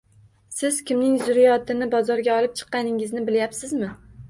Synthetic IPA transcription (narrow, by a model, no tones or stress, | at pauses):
sɪz̥kʲɪmnɪŋzʊɾijɒt̪ʰɪnɪbɒzɒɾɡʲaɒlˠɪp̚t͡ʃʰɨ̥qːɑnɪŋɪznɪbɪljapsɪzmɪ